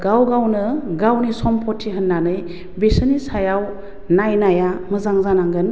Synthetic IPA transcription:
ɡawɡawnɯɡawnisɔmpʰɔtʰːiɦənːanɯj | besənisajaw | najnajamɯzaŋzanaŋɡɯn

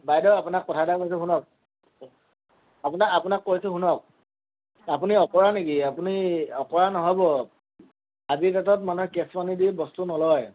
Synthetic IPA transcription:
bajdɔapunakːɔtʰadakois̬ɛɦunɔk̚ | apunaapunakːoɹisɛɦunɔk̚ | ap̬uniɔkɔɹanekiapuniɔkɔɹanɔɦɔjbɔ | azit̬at̬ɔt̚manukɛspanidibɔstunɔlɔj

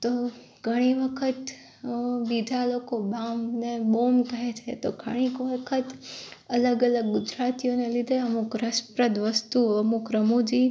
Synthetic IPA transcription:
t̪o | ɡʱəɽ̃iʋəkʰət̪ | bid̪ʱalokobamnebomk̪əɦet͡ʃʰet̪oɡʱə̰ɽ̃ikʋəkʰət̪ələɡələɡɡʊd͡ʒɾat̪ijonelid̪ʱeəmukɾəspɾəd̪ʋəst̪uəmukɾəmod͡ʒi

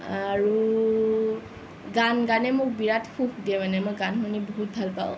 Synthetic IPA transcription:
aɹu | ɡanɡanɛmʊkbiɹatʰkʰuxdiɛmanɛmojɡankunibɔɦut̚bʱalpa̰ʊ

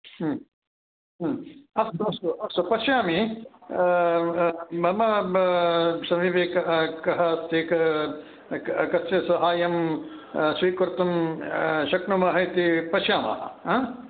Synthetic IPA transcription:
ɦɐst̪uɐst̪uɐst̪upɐʃjaːmi | mɐmɐ | sɐmiʋeːkkɐɦɐɐst̪ʰikɐ | kɐst͡ʃesɐɦaːjɐm | sʋiːkuɾt̪um | ʃɐknumaːɦɐjt̪ipɐʃjaːma̰ːɦɐ̰ãː

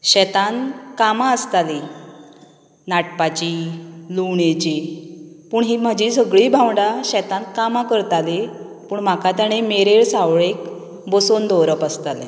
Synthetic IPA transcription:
ɕɛt̪ankamaəst̪ali | naʈpat͡ɕiluɳet͡ɕiːpuːɳɦiːm̤ad͡ʑisəɡɭiːbʱãwɳɖaɕɛt̪ãnkamakəɾt̪ale | puːɳm̤akat̪aɽ̃emeɾeɭsawɭek | bosond̪ɔwɾəpast̪alḛ̃

